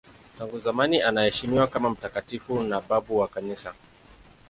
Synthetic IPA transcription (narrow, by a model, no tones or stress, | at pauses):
taŋɡuzamaniʔanahɛʃimiwakamam̩takatifunaɓabuwakanisa